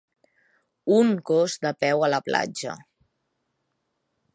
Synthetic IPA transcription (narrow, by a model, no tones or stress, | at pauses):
uŋkozd̪əpɛwələpla̰d͡ʒə̰